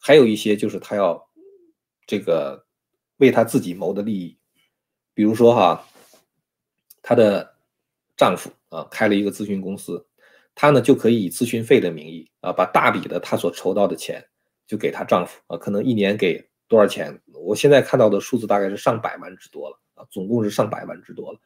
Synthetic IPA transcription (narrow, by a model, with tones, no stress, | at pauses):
xa˧˥ɪjo˨˩ʊi˥˩ɕjɛ˥t͡ɕjo˥˧ʊʂɻ̩˥˩t̪ʰa˥jɑ˥˧ʊ | ʈ͡ʂɤ˥˩ɡə˩ | we˥˩ɪt̪ʰa˥t͡sɹ̩˥˩t͡ɕi˨˩mo˧˥ʊd̪ə˧li˥˧i˥˩ | pi˨˩ɻu˧˥ʂwɔ˥xɐ̰˧ | t̪ʰa˥d̪ə˨ | ʈ͡ʂɑ˥˩ŋfṵ˨˩˦ɐ̰˧kʰa˥ɪlə˨i˧˥ɡə˧t͡sɹ̩˥ɕy˥nkʊ˥ŋsɹ̩˥ | t̪ʰa˥nə˨t͡ɕjo˥˩ʊkʰɤ˧˥i˧˥i˨˩t͡sɹ̩˥ɕy˥nfe˥˩ɪd̪ə˩mi˧˥ŋi˥˩ | ɐ̰˧pa˨˩t̪a˥˩pḭ˨˩d̪ə˦t̪ʰa˥swɔ˨˩ʈ͡ʂʰo˧˥ʊt̪ɑ˥˩ʊd̪ə˩t͡ɕʰjɛ̰˧˥n | t͡ɕjo˥˩ʊke˨˩ɪt̪ʰa˥ʈ͡ʂɑ˥˩ŋfu̥˨˩ɐ̰˧kʰɤ˨˩nɤ˧˥ŋi˥˩njɛ˧˥nke˨˩ɪ | t̪wɔ˥ə˞˧˩t͡ɕʰjɛ̰˧˥n | wɔ˨˩ɕjɛ˥˧nt͡sa˥˧ɪkʰa˥˧nt̪ɑ˥˩ʊd̪ə˩ʂu˥˧t͡sɹ̩˥˧t̪a˥˧ka˥ɪʂɻ̩˥˧ʂɑ˥˩ŋpa̰˨˩ɪwa̰˥nʈ͡ʂɻ̩˥t̪wɔ˥lə˨ɐ̰˧˩t͡sʊ˨˩ŋkʊ˥˧ŋʂɻ̩˥˧ʂɑ˥˩ŋpa˨˩ɪwa̰˥˩nʈ͡ʂɻ̩˥t̪wɔ˥lə˨˩